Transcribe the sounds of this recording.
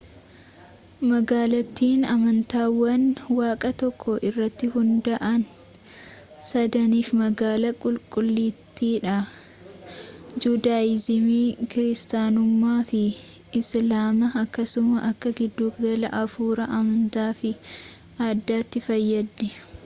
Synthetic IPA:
mɐɡaːlɐt̪ːiːnɐmɐnt̪aːwɐnwaːkʼɐt̪ɔkʰːɔʔɪrːɐt̪ːɪhʊnd̪ɐʔɐn | sɐd̪ɐniːfmɐɡaːlɐkʼʊlkʼʊlːiːt̪ːiːᶑɐ | d͡ʒuːd̪aːɪzɪmiːkɪɾɪst̪aːnʊmːaːfɪɪslaːmɐːkːɐsʊmɐʔɐkːɐɡɪd̪ːuːkd̪ɐlɐ̰ʔɐfuːɾɐʔɐmɐnt̪aːfɪ | aːd̪ːaːt̪ːɪfɐjːɐd̪nɛ

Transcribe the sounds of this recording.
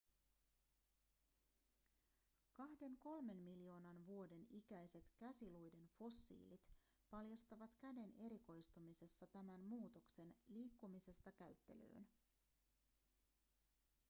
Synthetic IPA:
kɑhde̞ŋko̞lme̞nmiljo̞ːnɑnʋuo̞de̞nikæjse̞t̪kæsilujde̞nfo̞sːḭːlit̪ | pɑljɑst̪ɑʋɑt̪kæde̞ne̞ɾiko̞jst̪umise̞sːɑt̪æmænmuːt̪okse̞nliːkːumise̞st̪ɑkæyt̪ːe̞̰lø̰ːn

